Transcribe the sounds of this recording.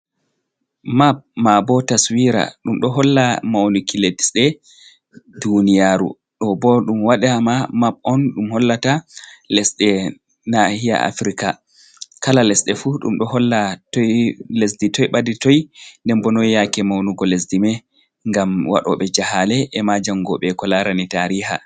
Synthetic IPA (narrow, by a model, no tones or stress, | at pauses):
map̚mabɔtaswiɾa̰ɗumɗɔɦɔlːamawnukiledisɗɛ | dunijaɾṵ | ɗɔbɔɗumwaɗɛamamap̚ɔnɗumhɔlːatalɛsɗɛ | nahija̰a̰fɾika | kalalɛsɗɛfuɗṵmɗɔhɔlːatɔlesditɔjɓaditɔjndɛmbɔnɔjjakɛmawnuɡɔlesdimɛ | ŋɡamwa̰ɗɔ̰ɓɛd͡ʒahalɛʔɛmad͡ʒaŋɡɔɓɛkɔlaɾanitaɾiha̰